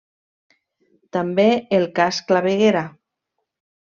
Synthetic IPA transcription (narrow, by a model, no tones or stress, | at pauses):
t̪ambeelˠkasklaβeɣeɾa